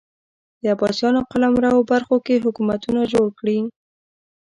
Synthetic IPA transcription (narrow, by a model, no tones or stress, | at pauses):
d̪̥əabɑsjɑnoqalamɾawobaɾxokeɦʊkumat̪unaʒoɽkɽi